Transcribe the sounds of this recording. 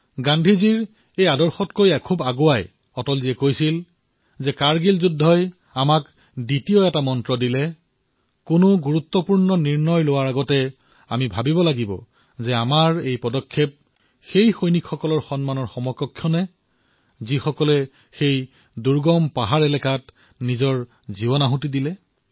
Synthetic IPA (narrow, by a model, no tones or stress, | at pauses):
ɡandʱiziɹ | ejadɔɹxɔtkojakʰubaɡowaj | ɔtɔlziɛkojsil | zɛkaɹɡilzudʱːɔj | amak | ditijɔɛtamɔntɹɔdilɛ | kʊnʊɡuɹut̪ːɔpuɹnɔniɹnɔjlowaɹaɡɔtɛ | amibʱabibɔlaɡibɔ̰ | zɛamaɹejpɔdɔkʰːep̚ | xejxojnikʰxɔkɔlɔɹxɔnmanɔɹxɔmɔkːɔkʰːjɔnɛ | zixɔkɔlɛ | xej | duɹɡɔmpaɦaɹɛlɛkat | nizɔɹ | zibɔnaɦũtidilɛ